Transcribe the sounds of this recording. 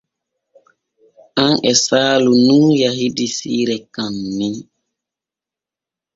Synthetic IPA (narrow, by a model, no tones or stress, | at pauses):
ʔanʔɛsaːlunuːjahidisiːɾɛkamːin